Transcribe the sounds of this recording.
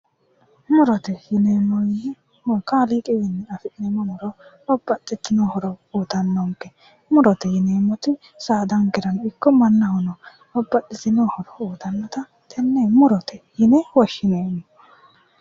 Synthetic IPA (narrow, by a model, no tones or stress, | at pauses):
mʊɾɔt̪ɛjɪneːmɔ | mɔkaːlɪkʼɪwɪnːɛɐfɪʔnɛmɔmɔɾɔ | ɔbːɐtʼːɪt̪ːɪnɔhɔɾɔuːt̪ɐnːɔŋkːɛ | mʊɾɔt̪ɛjɪneːmɔt̪ɪ | saːd̪ɐŋɡɪɾɐnɪkːɔmɐnːɐhɔnɔ | ɔbːɐtːɪsɪnɔːhɔɾɔuːt̪ɐnːɔt̪ɐ | t̪ʰɛnːemʊɾɔt̪ɛjɪnɛwɔʃːɪneːmːɔ